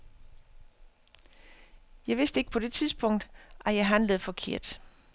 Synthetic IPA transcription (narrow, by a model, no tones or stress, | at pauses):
jɑ̈ɪʋe̝sd̥e̝ɡ̥̚pʰɒ̽d̥e̝t͡sʰiðˠsb̥ɔ̽ŋ̰d̥ʔæjɑ̈ɪɦænləð̞̩ˠfɒ̽kʰe̝ɐ̰d̥